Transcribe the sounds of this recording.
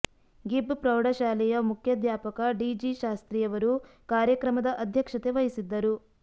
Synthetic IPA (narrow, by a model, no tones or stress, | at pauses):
ɡibpɾɐwɽɐʃaːlɛjɐmukʰjɐd̪jaːpɐkɐɖid͡ʒiʃaːst̪ɾijɐʋɐɾukaːɾjɐkɾɐmɐd̪ɐʔɐd̪ʱjɐkʂɐt̪eʋɐjisid̪ːɐɾu